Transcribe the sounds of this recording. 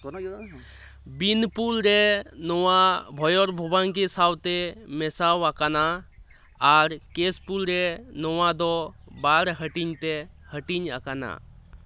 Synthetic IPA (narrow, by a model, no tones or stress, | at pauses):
binpulɾenɔwabʱɔjɔɾbʱɔbankesawt̪emesawakana | aɾkespulɾenɔwad̪ɔbaɾɦəʈiɲt̪e | həʈiɲa̰kana̰